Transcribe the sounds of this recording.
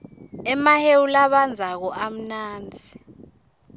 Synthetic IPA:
ɛmahewulaɓand͡zʱak̬ɔʔam̩naːnd͡zʱi

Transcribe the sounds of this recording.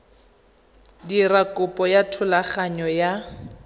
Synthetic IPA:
dirakʊpʼɔjatʰʊlaχaɲɔja

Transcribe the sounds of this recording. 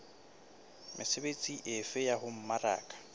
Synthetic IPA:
mʔɪsebet͡sʼiʔɪfɪjahʊm̩mara̰ːkʼḁ

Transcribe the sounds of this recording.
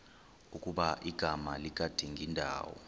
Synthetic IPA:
ukʼuɓaʔiɡ̥ʱamalik̬ʼad̥ʱiŋɡʱindʱa̰ːwɔ̰

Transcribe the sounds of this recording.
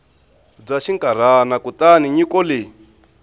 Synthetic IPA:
b͡ʐaʃiŋkʼaɾ̤anakut̪aniɲikɔle

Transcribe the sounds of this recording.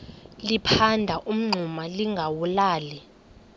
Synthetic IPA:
lipʰandʱaʔum̩ŋ͡ǀʱumaliŋɡʱawulaːli

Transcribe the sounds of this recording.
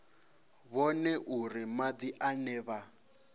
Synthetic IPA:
βɔnɛʔurimad̪iʔanɛːβa

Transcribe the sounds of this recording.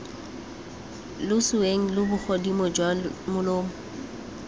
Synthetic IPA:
lʊsʊweŋ̩lʊbʊk͡xʰɔdimɔd͡ʒwamʊloːmʊ

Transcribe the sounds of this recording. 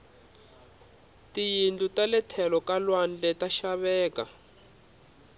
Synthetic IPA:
tijind͡ɮutalɛtʰɛlɔkalwand͡ɮɛtaʃaβɛːka

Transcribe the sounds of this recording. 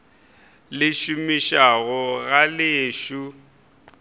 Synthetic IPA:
lɪʃumiʃaɣʊɣalɪːʃu

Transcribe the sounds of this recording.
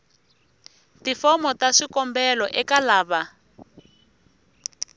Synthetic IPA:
tifɔmɔtaʂikɔmbɛlɔʔɛkalaːβa

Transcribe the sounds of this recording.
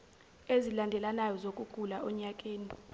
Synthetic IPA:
ezilandʱɛlanajɔzokʼuɡ̥ʱulaɔɲakʼeːni

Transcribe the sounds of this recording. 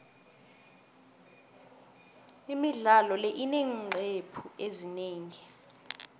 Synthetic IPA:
imiɮalɔlɛʔineŋŋ͡ǀʱepʰuezineːŋi

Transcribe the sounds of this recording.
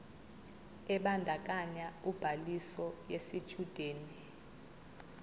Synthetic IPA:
ɛɓandʱak̬ʼaɲaub̥ʱalisɔjesit͡ʃʰʼud̥ʱeːni

